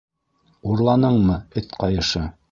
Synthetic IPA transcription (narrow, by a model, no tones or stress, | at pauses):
uɾlˠɑnɤɴmɤɘθqɑjɤ̆ʃɤ